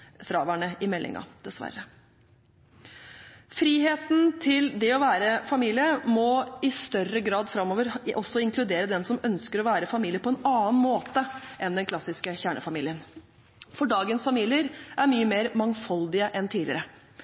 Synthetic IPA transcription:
fɾɑːʋæːɳəɪmɛlːʔɪ̰ŋɑ̰d̪̥ɛsʋæ̰ɾːə | fɾiːɦeːt̪n̩t̪ʰɪld̪ɛɔʋæːɾəfɑmiːlɪəmɔɪst̪œrəɡɾɑːd̪fɾɑmːoːʋəɾʔɔsːɔɪŋklʉd̪eːɾəd̪ɛnsɔmœnskəɾɔʋæːɾəfɑmiːlɪəpʰɔɛnɑːnmoːt̪əʔɛnd̪ɛnkʰlɑsːɪskəçæːɳə̰fɑmḭːlɪən | fɔɖɑːɡənsfɑmiːlɪəɾʔæɾmyːəmeːɾmɑŋfɑld̪ɪəʔɛnt̪ʰiːlɪ̰əɾə

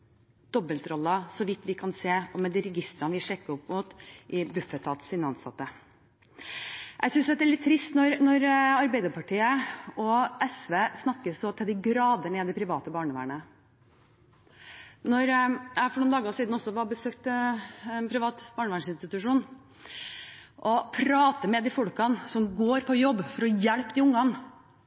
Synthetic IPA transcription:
d̪̥ɔbəlt̪ɾɔlːəsɔʋɪt̪ːʋɪkʰɑnseːɔmːɛd̪ɪɾɛɡɪst̪ɾɑnəʋɪʂɛkːəɔpːmʊt̪ʔɪbʉfət̪ʰɑːt̪sɪnəɑnsɑ̰t̪ːə | ʔæɡsʏnsd̪ɛt̪ːæɭɪt̪ʰːɾɪst̪nɔɾnɔɾɑɾbæɪd̪əɾpɑʈʰiːəɔɛsʋeːsnɑkːəsɔt̪ʰɪld̪ɪɡɾɑːd̪əɳɛd̪ɛpʰɾɪʋɑːt̪əbɑːɳəʋæ̰ːɳə | nɔɾjæɪfɔɾɳuːnɑːɡɑsiːd̪nɔsːɔʋɑbəsøːkt̪ɛnpʰɾɪʋɑːt̪bɑːɳəʋæːɳsɪnst̪ɪt̪ʉʂuːn | ʔɔpʰɾɑːt̪əmɛd̪ifɔɽkɑnsɔmɡoːɾpʰɔjɔbːfɔɾɔjɛɽpd̪ɪʊŋːɑn

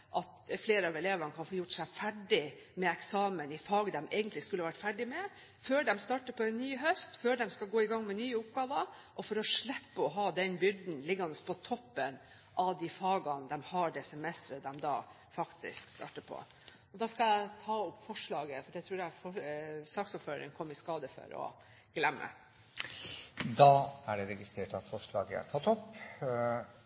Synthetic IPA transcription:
ʔɑt̪fleːɾɑʋɛleːʋəɳəkʰɑnfoːjʊʈsæɪfæɖɪ | mɛɛksɑːmənɪfɑːɡd̪ɛmɛ̰ɪɡənt̪lɪskʉlːəʋæʈfæɖɪmɛ | føːɖɛmst̪ɑːʈəpʰɔɛnnyːɦœst̪føːɖɛmskɑɡoːɪɡɑŋːmɛnyːəʊpɡɑːʋə | ʔɔfɔɾɔʂɭɛpːəɔɦɑːd̪ɛnbʏɾd̪n̩lɪɡːɑnəspʰɔt̪ʰɔpːən | ʔɑʋd̪ifɑːɡɑnd̪ɛmhɑɖɛsɛmɛst̪ɾəd̪ɛmd̪ɑː | fɑkt̪ɪ̰skst̪ɑ̰ːʈəpʰɔ̰ | ɔd̪ɑːskɑæɪt̪ʰɑːʊpːfɔʂɭɑːɡəfɔɖɛt̪ʰɾuːɾjæfɔsɑːksɔføːɾəɾɪŋkʰɔmːɪskɑːd̪əfɔ̰ɾɔ̰ | ɡ̥lɛmːə̰ | d̪ɑːæɖɛɾɛɡɪst̪ɾeːʈɑt̪fɔʂɭɑ̰ːɡəæ̰t̪ʰɑt̪ɔp

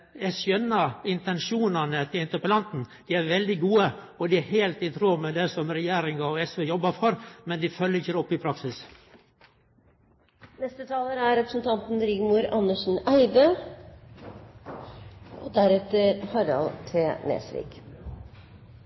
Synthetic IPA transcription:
ɛsœnːɑɪnt̪ɛnʃuːnɑnət̪ʰɪlɪnt̪əpəlɑnt̪n̩d̪̥iːæɾʋɛld̪ɪɡuːə | ɔd̪ɪæheːlt̪ɪt̪ʰɾoːmɛd̪ɛsɔmɾɛjæːɾɪŋɑɔɛsʋeːjɔbːɑfɔɾmɛnd̪ɪfœlːəɾɪçəɔpːɪpʰɾɑksɪs | nɛst̪ət̪ʰɑːləɾæɾɾɛpɾə̥sn̩t̪ʰɑnt̪n̩ɾɪɡmuːɾɑnəʂn̩æɪd̪ə | ʔɔd̪æɾɛt̪əɾhɑɾɑ̰lt̪ʰenḛːsʋɪ̰ːk

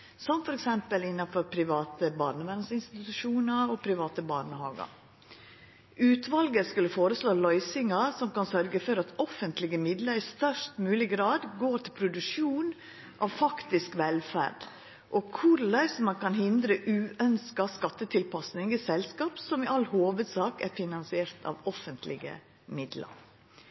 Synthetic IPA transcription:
sɔmfɔɾɛksɛmpəlɪnːɑfɔɾpʰɾɪʋɑːt̪əbɑɾɳəʋænsɪnst̪ɪɪt̪ʉʂuːnɑɾɔpʰɾɪʋɑːt̪əbɑɾɳəhɑ̰ːɡɑ̰ | ʔʉːt̪ʰʋɑlɡəskʉləfoːɾəsloːlɔʏsɪŋɑsɔmkɑnsœɾɡəfɔɾɑt̪ʰɔfənt̪ʰlɪɡəmɪd̪ləɾɪst̪œʂʈmʉːlɪɡɾɑːd̪ɡoːɾʈʰɪlpʰɾʊd̪ʉʂuːn | ʔɑ̰ʋfɑkt̪ɪskʋɛlfæ̰ːɾɖ | ʔɔkʰʊɾlæɪsmɑnkɑnɦɪnd̪ɾəʔʉːʔœnskɑskɑt̪ːət̪ʰɪlpɑsnɪŋisɛlskɑːpsɔmɪʔɑlhoːʋəd̪sɑːkæɾfɪnɑnsɪeːɾt̪ʰɑ̰ʋɔfənt̪ʰlɪ̰ɡə̰ | mɪd̪lɑ̰ɾ

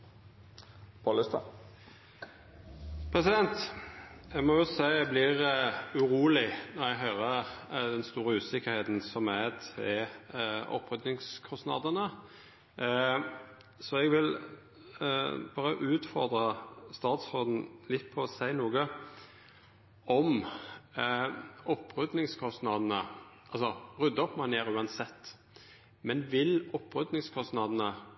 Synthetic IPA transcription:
pʰolɪst̪ɑ | pʰʁɛsɪd̪ɛnt̪ | ɛɡmɔjʊsæɪɛblɪʁʉʁuːlɪnɔʁɛɡɦœʏʁəd̪ɛnst̪uːɾəʉːsɪkəɾheːt̪n̩sɔmæt̪ʰɪ | ɔ̰pʰɾʏd̪nɪŋskʰɔsnɑ̰d̪ənə | sɔɛɡʋɪl | bɑːɾəʔʉːt̪fɔʁd̪ɾəst̪ɑːt̪sʁoːd̪n̩lɪt̪̚ːpʰɔːsæɪnuːɡə | ɔm | ɔpːɾʉd̪nɪŋskʰɔst̪nɑd̪nəʔɑlsɔʁʉd̪ːəɔpːmɑnjeːʁʉːɑnsɛt̪ː | mɛnʋɪlɔpːʁʉd̪nɪŋskʰɔst̪nɑd̪n̩ə

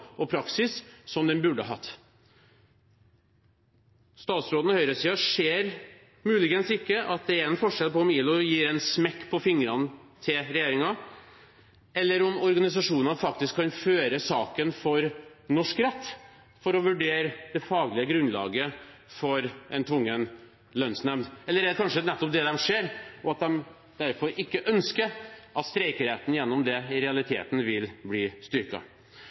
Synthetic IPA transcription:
ɔpʰɾɑksɪsːɔmd̪ɛnbʉɖəɦɑt̪ː | st̪ɑːt̪sɾoːd̪nɔhœʏɾəsiːɑʂeːɾ | mʉːlɪɡənsɪkːəʔɑt̪̚d̪ɛæɾɛnfɔʂɛlpɔɔmiːlɔjiːɾɛnsmɛkːpʰɔfɪŋɾɑnət̪ʰɪlɾɛjeːɾɪŋɑ | ɛlːəɾɔmɔɾɡɑnɪs̬ɑʂuːnɑnfɑk̚t̪ɪskʰːɑnføːɾəsɑːkənfɔɾnɔʂkɾɛt̪ː | fɔɾɔʋʉɖeːɾəd̪̥ɛfɑːɡlɪəɡɾʉnlɑ̰ːɡəfɔɾɛnt̪ʰʋʊŋːən | lœnsnɛmd̪ɛlːəɾɛkʰɑnʂənɛt̪ːɔp̚d̪ɛd̪ɛmʂeːɾɔɑt̪̚d̪ɛm | d̪æɾfɔɾɪkːəʔœnskəʔɑt̪st̪ɾɛɪkəɾeːt̪n̩jɛnːɔmd̪ɛɪɾɛɑlɪt̪ʰḛːt̪n̩ʋɪlbliːst̪ʏɾkɑ̰

